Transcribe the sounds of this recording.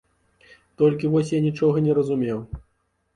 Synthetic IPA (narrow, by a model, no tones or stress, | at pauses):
t̪ɔlʲkʲivɔsʲjanʲit͡ʂɔɣɐnʲɛɾɐzumʲɛw